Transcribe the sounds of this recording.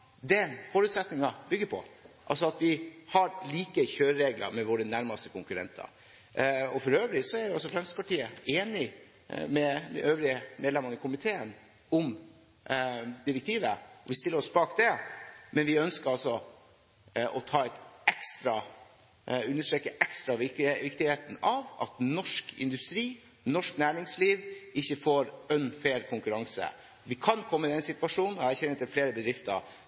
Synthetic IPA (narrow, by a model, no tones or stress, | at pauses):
d̪ɛnfɔɾʉːt̪sɛt̪nɪŋɑbʏɡːəpʰɔ̰ʔɑ̰lsɔɑt̪ʋɪhɑɾliːkəçøːɾəɾeːɡlɑ̰ɾmɛʋoːɾənæɾmɑst̪əkʰʊŋkʉɾɛ̰nt̪ʰɑ̰ɾ | ɔfɔɾøːʋlɪsɔæɾʋɪɑls̬ɔfɾɛmsə̥spɑʈiːəeːnɪ | mɛd̪ɛ̰øːʋɾɪəmʔeːd̪lɛmɑnəkʰʊmɪt̪ʰeːən | ʊm | d̪ɪɾɛkt̪ʰiːʋəɔʋɪst̪ɪlːəɾɔsbɑːkd̪ɛmɛnʋɪœnskəɾɑlsɔ | ʔɔt̪ʰɑːɛɪt̪ɛkst̪ɾɑ | ʉnːəʂʈɾɛːkːəʔɛkst̪ɾɑʋɪʋɪkt̪ɪheːt̪n̩ɑʋɑ̰t̪nɔʂkɪ̰nd̪ʉst̪ɾiː | nɔʂknæːɾɪŋsliːʋɪçːəfoːɾœnfeːlkʰʊŋkʉɾɑŋsə̰ | ʋɪkʰɑnkʰɔmːəɪd̪ɛnsɪt̪ʋɑʂuːnn̩ɔæɾçɛnːət̪ːɛlfleːɾəbəd̪ɾɪft̪ə̰ɾ